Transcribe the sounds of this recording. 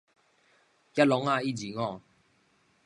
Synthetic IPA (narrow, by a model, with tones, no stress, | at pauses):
ja˦lɔ˨˦ŋa˥˧˨i˦˨d͡ʑi˨ŋɔ̃˥˧˨